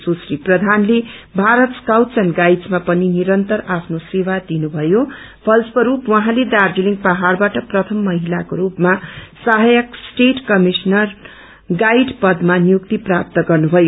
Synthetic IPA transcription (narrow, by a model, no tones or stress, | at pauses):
susriprʌd̪ʱanlebʱaɾʌt̪skawt͡sʌnɡajɖd͡zmapʌniniɾʌnt̪ʌrapʰnosewad̪inubʱʌjo | pʰʌlspʌɾupwʌɦãled̪ard͡ziliŋɡpʌɦarbaʈʌprʌt̪ʰʌmːʌɦilakoɾupmasʌɦajʌksʈeʈkʌmisnʌr | ɡajɖpʌd̪manjuk̚t̪iprap̚t̪ʌɡʌrnubʱʌjo